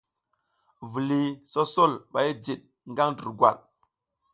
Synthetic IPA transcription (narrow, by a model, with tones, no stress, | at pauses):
vu˨li˨so˦so˦˨lɓa˨ji˦d͡ʒi˨ɗ̚ | ŋɡa˦ŋdi˨ɾɡwa̰˨l